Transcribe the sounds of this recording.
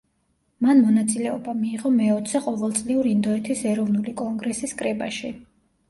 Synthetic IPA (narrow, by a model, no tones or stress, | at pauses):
manmɔnat̪sʼilɛɔbamiːʁɔmɛɔt̪ʰsɛqʼɔvɛlˠt̪sʼliuɾind̪ɔɛt̪ʰisɛɾɔvnulikʼɔŋɡɾɛsiskʼɾɛba̰ʃi